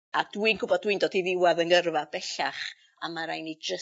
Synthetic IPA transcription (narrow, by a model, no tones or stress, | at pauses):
ad̥winɡ̥ʊbɔdwindoːdiðɪwaðənərvabɛɬaχ | amaɾajnid͡ʒə